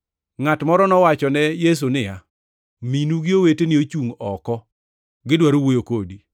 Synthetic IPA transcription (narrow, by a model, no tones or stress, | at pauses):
ŋatmɔɾɔnɔwat͡ʃɔnɛjes̬unɪja | minuɡɪowetenɪot͡ʃuŋɔkɔ | ɡɪdwaɾowojokodi